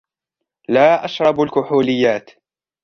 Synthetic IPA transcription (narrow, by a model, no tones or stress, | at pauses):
laːʔaʃɾˤɑbalkʊħuːlɪjːaːt̪